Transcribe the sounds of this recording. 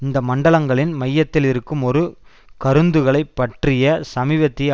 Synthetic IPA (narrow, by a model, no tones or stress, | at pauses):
ɪnd̪ɐmɐɳɖɐɭɐŋɡɐɭɪnmɐjːɐt̪ːɪlɪɾɯkːɯmɔɾɯ | kɐɾɯnd̪ɯɣɐɭɐɪpːɐʈrɪjɐsɐmiːʋɐt̪ːɪ